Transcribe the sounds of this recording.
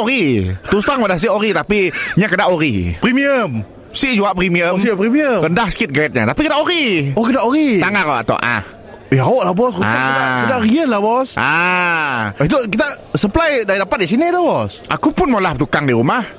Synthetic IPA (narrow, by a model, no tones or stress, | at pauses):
oɾit̪ust̪aŋwadahs̬iʔoɾit̪apiɲakədaʔoɾipɾimiəm | siʔd͡ʒuaʔpɾimiəsipɾimiəkəndahsə̥kɪt̪̚ɡɾɛt̪̚ɲat̪apikədaʔoɾiɔkədaʔoɾit̪aŋaɾaa̰t̪ɔ̰ʔʔa̰h | iaoʔlahbɔsuaaakədaʔɾiəlahbɔsʔa | it̪̬ukit̪asəmplajdaɾidapat̪̚disinit̪ubɔsʔa̰kupʊnmolaht̪ukaŋdiɾumah